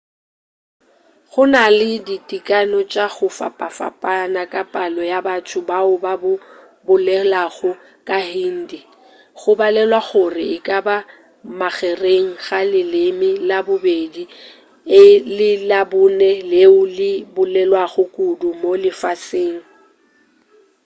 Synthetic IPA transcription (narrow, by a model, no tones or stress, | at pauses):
χʊnalɪditʼikʼanɔt͡ʃʼaɣʊfa̰pʼafa̰pʼanakʼapʼalɔjabatʰʊbaʊbabʊ | bʊlɛlaɣʊ | kʼahiːn̩di | χʊbalɛlwaɣʊrɪɪkʼaba | maɣɛreŋ̩ɣalɪlɪmɪlabʊbedi | ɪlɪlabʊnɛleʊlɪbʊlɛlwaɣʊkʼʊdʊmolɪfaseːŋ̩